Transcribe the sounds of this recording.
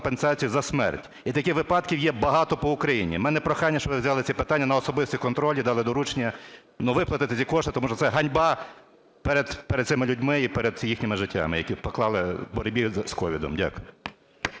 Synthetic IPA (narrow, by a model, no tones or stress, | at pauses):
pensɑt͡sʲijuzɐsmɛ̰rtʲ | it̪ɐkɪxʋɪpɑd̪kʲiwjɛbɐɦɑt̪ɔpɔʊkɾɐjinʲḭmɛnɛpɾɔxɑjnʲːɐʃt͡ʃɔʋɪwzʲɑlˠɪt͡sʲipɪt̪anʲːɐnɐɔsɔbɪst̪ʲikɔnt̪ɾɔlʲid̪ɑlˠɪd̪ɔɾut͡ʃnʲːɐ | nuʋɪplˠɐt̪ɪt̪ɪt͡sʲikɔʃt̪ɪt̪ɔmuʃɔt̪sɛɦɐnʲbɑ | peɾed̪peɛɾɛd̪sɪmɪlʲʊdʲmɪipɛɾed̪jixnʲɪmɪʒɪtʲːa̰mɪjɐkʲipɔklˠɑlˠɪbɔɾʲbʲiskɔʋʲid̪ɔ̰mdʲa̰kʊ